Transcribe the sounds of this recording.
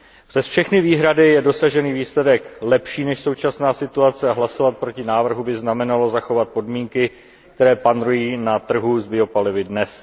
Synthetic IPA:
pr̥ɛsfʃɛxnɪviːɦɾadɪjɛdo̞saʒɛniːviːslɛdɛklɛpʃiːnɛʃso̞wt͡ʃasnaːsɪt̪uat͡sɛaɦlaso̞vat̪̚pɾo̞cɪnaːvr̩ɦubɪznamɛnalo̞zaxo̞vat̪̚po̞dmiːŋkɪ | kt̪ɛɾɛːpanɾujiːnat̪r̩ɦuzbɪo̞palɪvɪdnɛs

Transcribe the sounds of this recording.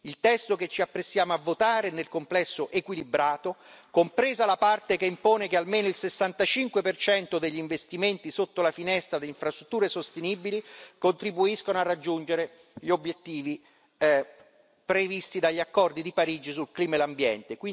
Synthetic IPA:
ilt̪ɛst̪oket͡ʃːiapːɾesːjaːmoavːot̪aːɾenelkomplɛsːoʔekwilibɾaːt̪okompɾeːzalapart̪ekeimpoːnekealmeːnoilsesːant̪at͡ʃiŋkwepert͡ʃɛnt̪od̪eʎːiɱvest̪iment̪isot̪ːolafinɛst̪ɾad̪eiɱfɾast̪ɾut̪ːuːɾesost̪eniːbilikont̪ɾibuiskonoarːad͡ʒːund͡ʒeɾe | ʎiobːjet̪ːiːvi | pɾevist̪id̪aʎːakːɔrd̪id̪ipaɾiːd͡ʒis̬ulkliːmaelambjɛ̰nt̪ekwi

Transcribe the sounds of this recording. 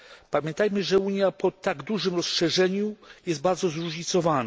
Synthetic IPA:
pamʲjɛ̃nt̪ajmɘʐɛuɲjapɔt̪aɡd̪uʐɘmɾɔsʂɛʐɛɲujɛsd̪baɾd̪zɔzɾuʐɲit̪sɔvana

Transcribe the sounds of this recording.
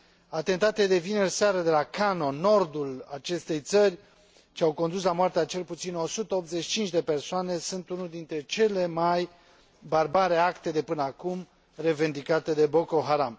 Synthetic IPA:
at̪e̞nt̪at̪ed̪e̞vinerseaɾəd̪e̞lakano̞no̞rd̪ulat͡ʃe̞st̪e̞jt̪sərʲ | t͡ʃeawko̞nd̪us̬lamoart̪eat͡ʃe̞lput̪sino̞sut̪əopt̪ze̞t͡ʃʃi̥t͡ʃint͡ʃd̪e̞pe̞rsoane̞sunt̪unuld̪int̪ɾe̞t͡ʃe̞le̞maj | barbaɾeakt̪ed̪e̞pɨnəakum | re̞vend̪ikat̪e̞d̪e̞bo̞ko̞ɦaɾam

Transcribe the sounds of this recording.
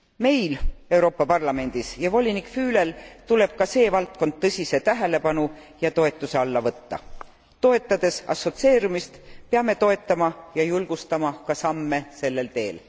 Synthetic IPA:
me̞jle̞wɾo̞ːpːˑɑpɑrlɑme̞nʲd̪̥isjɑvo̞lʲinikˑfyːle̞lt̪ule̞b̥̚kɑse̞ːvɑlt̪̚ko̞nd̪̚t̪ːɤ̞sʲise̞t̪æɦe̞le̞pɑnu | jɑt̪o̞e̞t̪ːˑuse̞ɑlːɑvɤt̪ːɑ̰ | t̪o̞e̞t̪ːˑɑd̪̥e̞sɑ̰sːo̞t̪se̞ːɾumist̪peɑme̞t̪o̞e̞t̪ːˑɑmɑjɑjulɡ̥ust̪ɑmɑkɑsɑmːe̞se̞lːe̞lt̪e̞ːl

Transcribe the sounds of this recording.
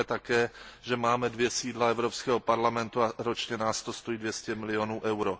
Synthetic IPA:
ɛt̪akɛːʒɛmaːmɛdvjɛsiːdlaɛvɾopskɛːɦo̞paɾlamɛnt̪uaɾo̞t͡ʃɲɛnaːst̪ost̪ojiːdvjɛscɛmɪlɪonuːʔɛwɾo

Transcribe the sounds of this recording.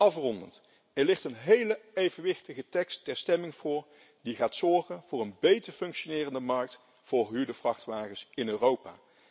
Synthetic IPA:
ɑfrɔndənt | ɛɹlɪχtənɦejləejvənʋɪχtəχətɛkstːɛɹstɛmɪŋv̥ʊːɹ | diχaːtsɔɹχənv̥ʊːɹənbejtəɹfɵŋkʃonɪːrəndəmɑɹk̚t | fʊːɹɦydəvrɑχtʋaːχəsɪnøːrowpa̰ː

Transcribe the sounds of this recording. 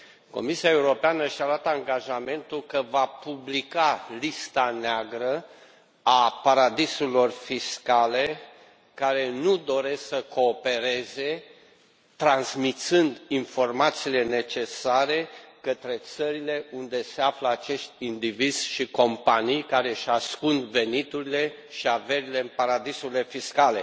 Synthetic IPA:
ko̞̰misiae̞uɾo̞peanəʃialat̪aŋɡaʒame̞nt̪ulkəvapublikalist̪aneaɡɾə | apaɾad̪isulo̞rfiskale̞ | kaɾe̞nud̪o̞ɾe̞sksəko̞ːpe̞ɾe̞ze̞ | t̪ɾanzmit̪sɨnd̪info̞rmat̪siːle̞ne̞t͡ʃe̞saɾe̞kət̪ɾe̞t̪səɾile̞und̪e̞se̞afləat͡ʃe̞ʃt̪̚ʲind̪ivid̪z̥ʲʃiko̞mpanijkaɾe̞ʃaskunve̞nit̪uɾile̞ | ʃiave̞ɾile̞paɾad̪isuɾilefiskale̞

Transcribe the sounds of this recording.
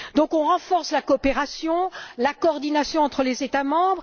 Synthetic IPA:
d̪ɔ̃kɔ̃ʁɑ̃fɔʁslakɔːpeʁasjɔ̃lakɔːʁd̪inasjɔ̃ɑ̃t̪χəlezet̪amɑ̃bʁ

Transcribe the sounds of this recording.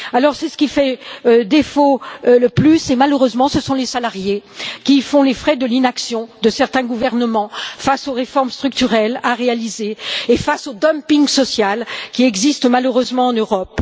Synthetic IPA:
alɔʁsɛsə̥kʲifɛd̪efoləplysemaløʁøzmɑ̃səsɔ̃lesalaʁjekʲifɔ̃lefχɛd̪əlinaksjɔ̃d̪əsɛʁt̪ɛ̃ɡuvɛʁnəmɑ̃fasoʁefɔʁmst̪χyk̚t̪yʁɛlaʁealizeːfasod̪ɔmpiŋsɔsjalkʲiɛɡzist̪maløʁøzmɑ̃ɑ̃nøʁɔp

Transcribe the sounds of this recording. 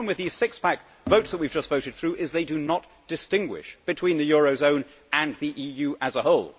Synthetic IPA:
mwɨðiz̥sɪkspʰæk̚ | voʊtsðət̚wivd͡ʒʌstv̥oʊɾɨd̪̚θɹʉʔɪzðeɪdɨnət | d̥ɨstɪ̃ŋɡwɪ̰ʃb̥ɨtʰw̥ĩnðɨjɔɹoʊzõʊ̃n | ɨ̃nðiʔijʉʔɨzəɦoʊlˠ

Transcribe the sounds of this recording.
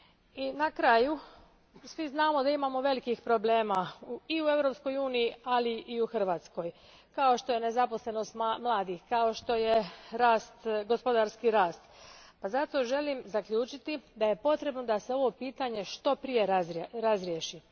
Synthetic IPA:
inakɾaju | sʋiznaːmo̞d̪aimaːmo̞ʋe̞likixpɾo̞ble̞ːmauiue̞vɾo̞psko̞juːnijialiʔːuxr̩ʋaːt̪sko̞j | kao̞ʃt̪o̞je̞ne̞zapo̞sle̞no̞st̪mmlˠaːd̪ixkao̞ʃt̪o̞je̞ɾaːst̪ɡospo̞d̪aɾskiɾaːst̪pazat̪o̞ʒe̞limzakʎʲuːt͡ʃit̪id̪aje̞po̞t̪ɾe̞bno̞d̪ase̞o̞ʋo̞piːt̪aɲe̞ʃt̪o̞pɾije̞ɾaɾazɾjeʃi

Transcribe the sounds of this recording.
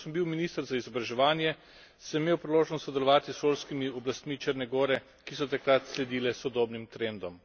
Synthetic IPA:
səmbiwminist̪əɾzaizɔbɾaʒɛʋaːnjɛ | sɛmeːwpɾiloːʒnɔst̪sɔd̪ɛlɔʋaːt̪isʃoːlskimiɔblast̪mit͡ʃəɾnɛɡɔːɾɛ | kisɔt̪akɾat̪slɛd̪iːlɛsɔd̪oːbnimt̪ɾend̪ɔm

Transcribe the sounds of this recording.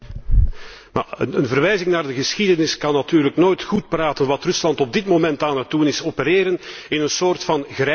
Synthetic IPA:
ma̰ənənvərʋɛjzɪŋnaːrdəɣəsxidənɪskɑnːatyːrləknoːjtxut̚praːtənʋɑtrɵslɑntɔb̚dɪtmomɛntaːnət̚dunɪsopəɾeːɾənɪnənsoːrtfɑnɣrɛ

